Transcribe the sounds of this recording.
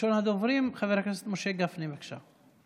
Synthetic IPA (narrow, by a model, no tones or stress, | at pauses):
onhad̪ovɾimχaveɾhaknaset̪moʃeɡafnimakʃa̰